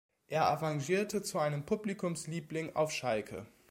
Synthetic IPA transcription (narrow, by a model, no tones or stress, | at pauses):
ʔeːɐʔaʁaŋʒiːɐtət͡suʔaɪnəmpʰublikʰʊmsliːplɪŋʔa̰ʊfʃalkʰə̰